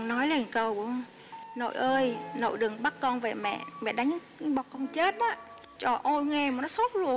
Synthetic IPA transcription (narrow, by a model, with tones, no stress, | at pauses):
nɔ˨˦jle˧˩˨kə˧wŋ͡m | no̰˧˨jʔəː˧jno̰˧˨jɗɨ˨˩ŋɓa˦˥kkɔ˧nve˨˩mɛ̰˧˨mɛ̰˧˨ɗa˨˦˧ɨ˧˦ŋɓɔ˨˩kə˧wŋ͡mt͡ɕe˦˥t̚ɗɔ˨˦ | t͡ɕɔ˧˩ʔo˧jŋɛ˧˩maː˨˩nɔ˨˦so˦˥t̚lu˧˩ə